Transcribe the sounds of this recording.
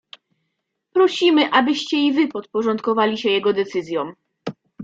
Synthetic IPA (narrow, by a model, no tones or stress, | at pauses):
pɾɔɕimɘʔabɘɕt͡ɕɛivɘpɔt̪̚pɔʐɔnt̪kɔvalʲiɕɛjɛɡɔd̪ɛt̪sɘzʲjɔm